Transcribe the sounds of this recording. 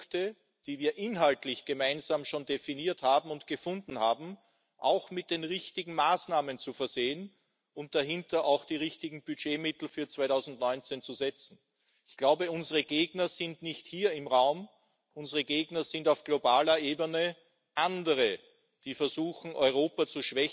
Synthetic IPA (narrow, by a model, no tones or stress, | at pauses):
ktə | d̥iːviːɐʔɪnɦaltlɪçɡ̥əmaɪnzaːmʃoːndefiniːɐthaːbm̩ʊntɡ̥əfʊ̃ndn̩haːbm̩ | ʔa̰ʊxmɪt̚d̥eːnʁɪçtɪɡŋ̩maːsnaːmənt͡sufɛɐz̥eːən | ʊnt̚d̥aɦɪntɐʔaʊxd̥iːʁɪçtɪɡŋ̩byd͡ʒeːmɪtl̩fyːɐt͡sv̥aɪtʊzn̩tnɔʏnt͡sent͡suzɛt͡sn̩ | ɪçɡ̥laʊbəʊnzəʁəɡeːɡnɐz̥ɪntnɪçthiːɐɪmʁaʊm | ʔʊnzəʁəɡeːɡnɐz̥ɪntaʊfɡ̥lobaːlɐʔeːbənə | ʔandəʁə | d̥iːfɛɐzuːxn̩ʔɔʏʁ̞oːpat͡suʃv̥ɛ